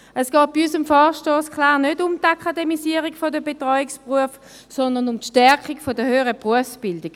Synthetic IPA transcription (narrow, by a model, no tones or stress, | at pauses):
ɛsɡ̥ɔːt̚b̥iysəmfɔːʃtoːskʰlaːʁnødʊmtakʰademisiːəʁikfodəbetʁɔʏikspʁuəf | sɔndɐnʊmtʃtɛʁkikfodəhøːəʁəpʁuəfsb̥ɪldiɡ̥